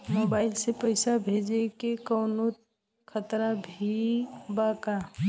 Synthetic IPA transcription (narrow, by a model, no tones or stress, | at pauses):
mobaːɪlsepəɪsabʱed͡ʒekekəːnot̪ | kʰət̪ɾabʱibaːka